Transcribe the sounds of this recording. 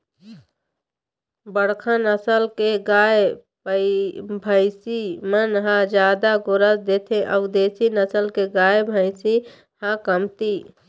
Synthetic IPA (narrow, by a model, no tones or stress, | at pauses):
bəɽkʰãnəsəlkeɡaːe | pəbʱəɪsimənɦãd͡ʒjaːd̪aɡʊɾəsd̪eːt̪ʰẽʔəʊd̪eːsinəsəlkeɡaːjebʱəɪsi | hãkəmt̪i